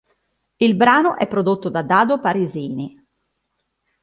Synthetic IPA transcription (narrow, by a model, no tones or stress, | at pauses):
ilbɾaːnoʔɛpːɾod̪ot̪ːod̪ad̪aːd̪opaɾeziːni